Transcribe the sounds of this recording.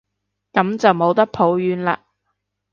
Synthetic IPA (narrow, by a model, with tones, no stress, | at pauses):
kɐ˨˥mt͡sɐ˨wmo˨˥wt̪ɐ˥k̚pʰo˨˥wjyː˨˥nla̰ː˧